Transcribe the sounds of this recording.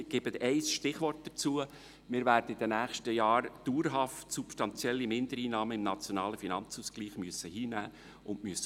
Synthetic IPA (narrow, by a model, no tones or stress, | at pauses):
ɡ̥ɪbət̪ɛɪsʃtɪχʋɔrt̚d̥̪ət͡suə | mɪɾvæːrdəid̥ənæːχʃtəjɑːɾd̥uːɾɦɑftsupsʃtɑnt͡sjɛlːimɪnd̥̪əɾiːnɑːməɪmnɑt͡sjonɑːləfinɑnt͡suːskliːχmyəsːəhiːnæː | ʊndmyəsːə